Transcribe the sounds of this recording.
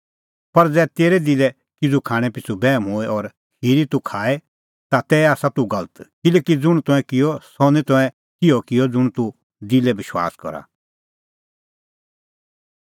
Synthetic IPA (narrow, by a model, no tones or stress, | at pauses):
pɐɾd͡zɛːt̪eːɾɛd̪ɪlɛ | kɪd͡zukʰaːɽ̃ɛ̃pɪt͡sʰubɛːmɦoːɛʔɔːɾ | hiːɾit̪ukʰaːɛ | t̪at̪ɛːaːsat̪uɡɐlət̪kɪlɛːkid͡zʊɽ̃t̪ɔ̃ɛ̃kɪjɔsɔnɛt̪ɔ̃ɛ̃ | kɪjɔkɪjɔd͡zʊɽ̃t̪u | d̪ɪlɛbɪʃwa̰ːskɔ̰ɾa̰